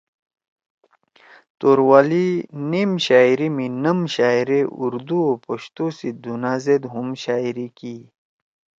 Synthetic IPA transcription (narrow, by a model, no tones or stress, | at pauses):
t̪oːɾwaːlineːmɕaːiɾiminɐmɕaːjɾeṵɾd̪uopoɕt̪usid̪unaːzed̪ɦumɕaːiɾiki